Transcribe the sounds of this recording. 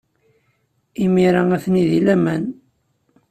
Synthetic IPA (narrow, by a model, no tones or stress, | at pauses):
imiɾaæθniðilæmæn